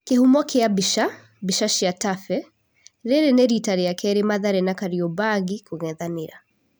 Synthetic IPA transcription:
kehumɔkʰeabiʃa | biʃaʃiatafɛ | ɾɛɾɛnɛɾitaɾijakʰɛɾemaðaɾɛnakaɾiɔbaɣikuɣɛðaniɾa

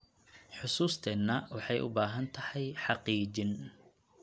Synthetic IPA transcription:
ħʊsuːst̪ʰɛnːɐwɑħɑjʔʊ̰baːɦɐnt̪ʰɐhɛjħɑqiːt͡ʃɪn

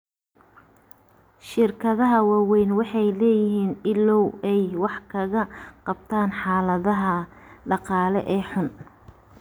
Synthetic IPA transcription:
ʃɪrkʰɐðɐɦɐwɑːwɛjnwɑħɑjlɛːjɪɦiːnɪlɔwɛjwɑħkʰɐɣɐqɑb̚t̪ʰaːnħɑːlɐðɐɦɐɖɑqɑːlɛ̰ʔɛːħʊn

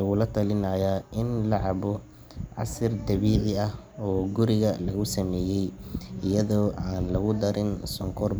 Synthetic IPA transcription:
ɐɣʊlɐt̪ʰɐlɪnajaɪnlɐʕɑβɔ | ʕɑ̰sɪrd̪ɐβiːʕɪɐh | ɔːɡʊɾɪɣɐlɐɣʊsɐmɛːjɛjɪjɐðɔːʔaːnlɐɣʊd̪ɐɾɪnsɔŋkʰɔr

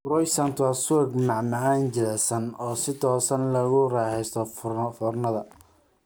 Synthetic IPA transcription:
ɾɔjsɐnt̪ʰwasʊɛɡmɑʕmɑʕaːnt͡ʃɪlɛsɐnɔːsɪt̪ʰɔːsɐnlɐɣʊrɑːħɛjst̪ʰɔffɔrnɐðɐ

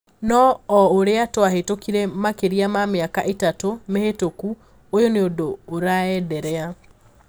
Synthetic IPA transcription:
nɔːoɾeatoaɦetokiɾɛmakeɾiamameakaʔetatomehetoku | ojoneodoːɾaɛdɛɾɛa

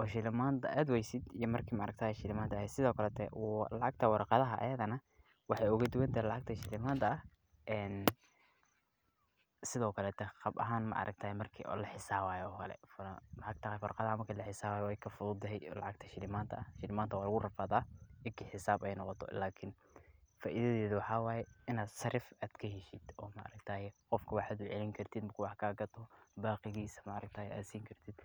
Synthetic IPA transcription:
ʔɔːʃɪlɪmaːnt̪ʰɐʔɐd̪wɛjsɪd̪ijɔmɐrkʰiːmɐɑɾɐk̚t̪ʰaːjɛʃɪlɪmaːnt̪ɐːhɛsɪðɔːkʰɐlɛt̪ʰɛwlɑʕɑɡ̚t̪ʰɐwɑrqɑðɐɦɐʔɐ̰jɐðɐnɐ | wɑħɑjʊɣɐd̪ʊwɛnt̪ʰɐːɾlɑʕɑɡ̚t̪ʰɐʃɪlɪmaːnt̪ʰɐɐh | ʔɛːn | sɪðɔːkʰɐlɛːt̪ʰɛqɑbɐɦaːnmɐ̰ʔɑ̰ɾʔɐ̰ɡ̚t̪ʰaːjɛmɐrkʰḭlɐħɪsaːβaːjɔːkʰɐlɛ̰fħɑkt̪ʰɐhɛjfɐrqɑðamɐkʰɐlɐħɪsaːaːjɛwɛjkʰɐfʊðʊːd̪ɛɛjlɑ̰ʕɑɡ̚t̪ʰɐʃɪnɪmaːnt̪ʰɐɐʃɪnɪmaːnt̪ʰɐwɑːlɐɣʊrɐfaðaːɪkʰɪħɪsaːbɛjnɔqɔt̪ʰɔ̰laːkʰɪn | faːʔiðɐðɛːðʊwɑħɑːwɑːjɛɪnaːd̪sɐrɪfaːd̪̥kʰɐɦɛʃɪd̪̥ɔːmɐʔɑ̰ɾɐk̚t̪ʰaːjɛqɔfkʰɐwɑħaːd̪ʊʕɛlɪŋkʰɐrt̪ʰɪd̪mkʰwɑħkʰaːɡɐt̪ʰɔbaːqɪɣiːsɐmɐɑɾɐk̚t̪ʰaːjɛa̰ːd̪siːŋkʰɐrt̪ʰɪd̪

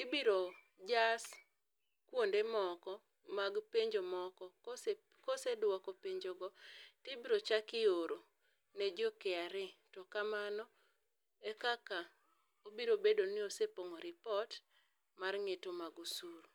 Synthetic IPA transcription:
tɪbiɾo | d͡ʒas | kwondemɔkɔ | maɡpeɲd͡ʒomɔkɔ | kosedwɔkɔpeɲd͡ʒoɡɔtɪbiɾot͡ʃakɪoɾo | nɛd͡ʒɔkeaɾɪtɔkamanɔ | ekaka | obiɾobedonɪosepoŋɔɾɪpɔt | marŋetomaɡusuɾ

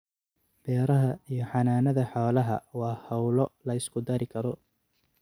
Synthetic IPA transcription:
b̥ɛːɾɐɦɐijɞħɑnaːnɐðɐħaːlɐɦɐwɑːhɐwlɔlɐɪskʰʊd̪ɐɾɪkʰɐɾɔ

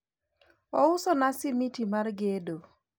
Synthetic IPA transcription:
ɔʊsɔnasɪmitimarɡedo

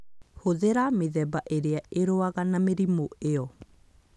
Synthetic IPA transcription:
hoðeɾameðɛbaʔeɾeaeɾoaɣanameɾimoeɔ

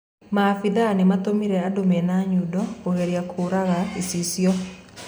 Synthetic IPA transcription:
mafiðanemat̪omiɾɛadomɛnaɲudɔoheɾjakʰoɾaɣaisisjɔ

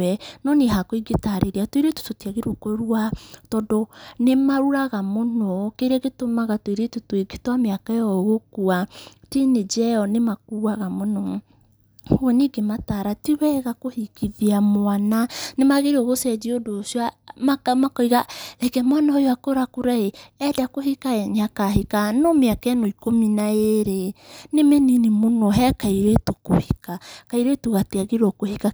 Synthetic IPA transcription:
ɛnɔneɦakoiɡetaɾeɾiatweɾeto̥totiaɣeɾokoɾuatɔdɔnemaɾuɾaɣamonɔkeɾɛɣetomaɣatwiɾetotoeɡetwameakaɔɣokuatined͡ʒɛɔnemak̚uːaɣamonɔ | hoɛniɡemataɾatiwɛɣakohikiðiamoananemaɣeɾiɔɣosɛd͡ʒiodosiamamakɔiɣaɾɛkɛmwanaojoakoɾakuɾaeɛdakoɦikaɛɲakaɦikanomeakanoikominaeeɾenemɛninemonɔɦɛkaiɾetoko̰hikakaiɾetoɣateaɣeɾɔkohika

